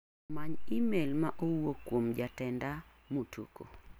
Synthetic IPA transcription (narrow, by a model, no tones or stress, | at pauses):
maɲimelmaʔowwokwomd͡ʒatɛnda | motʰṵko̰